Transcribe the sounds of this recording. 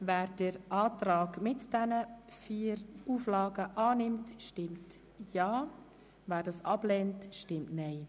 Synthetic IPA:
væːɾd̥əɾʔɑːtɾɑːɡmɪtd̥ɛnəfiːɾuːflɑːɡəʔɑːnɪmtʃtɪmt | jɑː | væːɾdɑːsɑblɛntʃtɪmtnɛɪ

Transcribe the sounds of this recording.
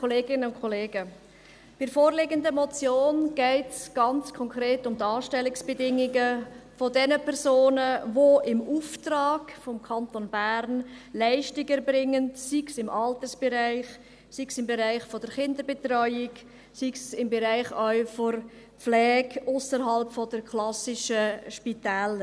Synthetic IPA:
oleːɡɪnəʊnkʰɔleːɡə | b̥ɪɾfoːɾlɪɡəndəmɔt͡sjoːnɡ̥ɛɪtsɡ̥ɑnt͡skʰɔŋkɾeːtʊmdɑːʃtɛlɪksb̥ɛdɪŋiɡəfodɛnəpʰɛɾzoːnəvoʔɪmuftrɑːɡfɔmkʰɑntonbæɾnlæɪʃtɪɡəɾbrɪŋənsiksɪmʔɑltəsb̥ɛɾaɪχ | siksɪmbeɾaɪχfɔd̥əɾχɪndəɾbetrɔʏɪk | siksɪmbɛɾaɪχafoɾ | flɛːɡʊsəɾɦɑlpfɔdəɾkʰlɑsɪʃəʃpitæːlə

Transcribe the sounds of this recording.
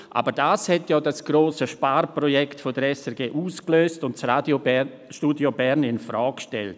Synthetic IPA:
ʔa̰ːbəɾdaːshɛtjaːdasɡ̥ɾoːsəʃpaːɾpɾɔjɛktfodəɾɛsɛɾɡeːʔuːskløːstʊntsradjo | ʃtuːdjobɛɾnɪnfɾɔːkʃtɛ̰lt

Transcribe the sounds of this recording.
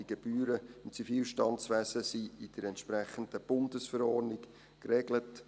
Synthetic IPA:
iɡ̥eb̥yːɾəɪmt͡sifiːlʃtɑnsʋæsəsiːɪd̥əɾɛntʃpɾæχənd̥əb̥ʊndəsfəɾɔrnɪk | krɛɡlət

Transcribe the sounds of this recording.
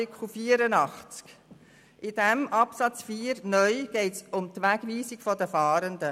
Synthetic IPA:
ɪkʰl̩fiːəɾənɑχt͡sk | ʔɪd̥ɛmʔɑpsɑt͡sfiːəɾnœʏɡ̥ɛɪtsʊmtʋæɡ̥ʋiːsiɡfɔdəfɑːɾənd̪ə

